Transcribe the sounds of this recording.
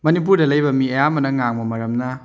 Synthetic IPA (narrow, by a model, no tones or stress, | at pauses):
mɐnip̬uɾdɐlɐjbɐmiɐjamɐnɐŋaŋmɐmɐɾɐmnɐ